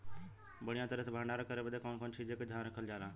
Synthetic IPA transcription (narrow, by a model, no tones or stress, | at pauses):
bəɽ̤ijãt̪əɾəsebʱãːɳɖaɾəkʰəɾebəd̪ekɔːnkɔːnt͡ʃʰiːd͡ʒeked̪ʱjaːnɾəkʰəld͡ʒaːɾaː